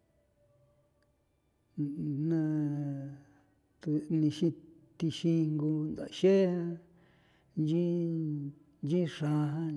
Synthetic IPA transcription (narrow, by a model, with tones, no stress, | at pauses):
nã˧ | t̪u˧nĩ˧ʃĩ˧t̪i˧ʃi˧ŋɡu˧nd̪a̰˨˧ʃe˦hã˦ | nd͡ʒĩ˦ | nd͡ʒĩ˦ʂã˧ɦã˦